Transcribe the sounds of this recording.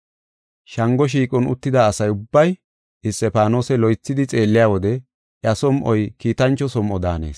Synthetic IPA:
ʃɐŋɡɔʃ̬iːkʼɔnʊ̰t̪ːɪd̪aːsɐjʊbːɐj | ɪst̪ːɛpaːno̞ːsɛlɔjt͡sːɪd̪ɪt͡sʼe̞ːlːɪjaːwɔd̪ɛ | ʔɪɐsɔmʔɔjkiːt̪ɐnt͡ʃːɔsɔmʔɔd̪a̰ːne̞̰ːs

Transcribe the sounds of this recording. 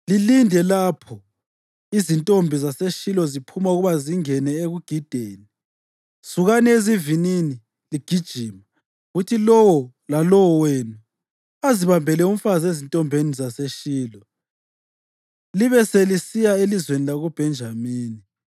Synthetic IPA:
lilindʱɛlapʰɔ | izintʼombʱizaseʃilɔzipʰumauɣuβaziŋɛnɛeɣuɡ̥ʱid̥ʱeːni | suɣanezivinini | liɡ̥ʱid̥ʒ̥ʱima | ɣutʰilɔwɔ | lalɔwɔweːnu | aziβambʱɛlɛum̩fazezintʼɔmbʱenizaseʃiːlɔ | liβɛselisijaelizwenilaɣub̥ʱɛnd͡ʒʱamiːni

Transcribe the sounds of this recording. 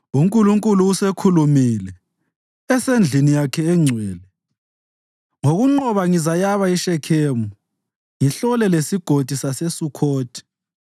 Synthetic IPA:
uŋkʼuluŋkʼuluusekʰulumilɛ | ɛsend͡ɮʱinijakʰɛɛŋ͡ǀʱwɛːlɛ | ŋoɣuŋ͡ǃɔβaŋizajaβaiʃɛkʰeːmuu | ŋiɬɔlɛlesiɡ̥ʱod̥ʱisasesukʰoːd̥ʱi̥

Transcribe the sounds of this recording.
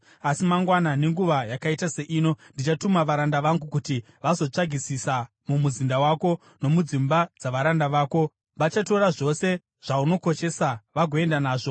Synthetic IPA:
asimaŋɡwanane̞ŋɡuʋajakaitase̞ʔiːno̞ndit͡ʃatumaʋaɾandaʋaŋɡukuti | ʋazo̞t͡ʂaɡʱisisa | mumuzindawaːko̞ | no̞mud͡zimbad͡zaʋaɾandaʋaːko̞ | ʋat͡ʃato̞ɾaʐo̞se̞ | ʐ̥auno̞ko̞ʃe̞saʋaɡʱo̞e̞ndanaːʐo̞

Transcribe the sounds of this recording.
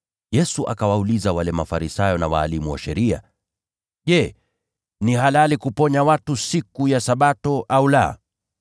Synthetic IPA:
jɛsuʔakawaulizawalɛmafaɾisajɔnawa̰ːlimuwa̰ʃɛɾia̰ | ʄɛ | nihalalikupɔɲawatusikujasaɓatɔʔaula̰

